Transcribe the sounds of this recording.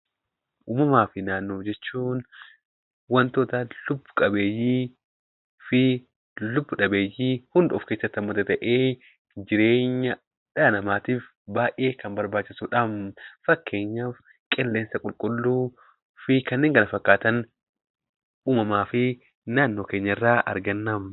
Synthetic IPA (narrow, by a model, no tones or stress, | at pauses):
uːmɐmaːfɪnaːnːoːd͡ʒɛt͡ʃːuːn | wɐnt̪oːt̪ɐlʊbːʊkʼɐbeːji | fɪ | lʊbːʊᶑɐbe̞ːjiːhʊnd̪ɔfkeːsːɐt̪ːɐmːɔt̪ɐt̪ɐʔeː | d͡ʒɪɾe̞ːɲːɐ | ᶑaːnɐmaːt̪iːf | baːjʔe̞ːkɐnbɐɾbaːt͡ʃːɪsuːᶑaːmfɐkːe̞ːɲːaːf | kʼɛlːeːnsɐkʼʊlkʼʊlːuː | fɪkɐnːeːŋɡɐnɐfɐkʼːaːt̪ɐn | uːmɐmaːfɪ | naːnːoːke̞ːɲːɐɪrːaːʔɐ̰ɾɡɐnːɐm